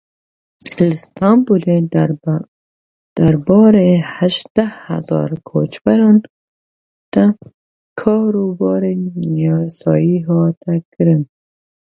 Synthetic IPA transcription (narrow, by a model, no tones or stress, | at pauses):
lst̪ɑmbule | d̪̥aɾbɑːɾehaʃd̪̥aha̰zɑ̰ːɾkʰo̰t͡ʃbaɾɔn | t̪a | kʰɑːɾubɑːɾenɑsɑ̰jiɦɔːt̪ʰakɨɾɨn